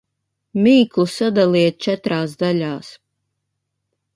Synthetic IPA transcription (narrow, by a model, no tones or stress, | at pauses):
miːklˠusad̪alˠiɛt̪̚t͡ʃɛt̪ɾaːsd̪alʲaːs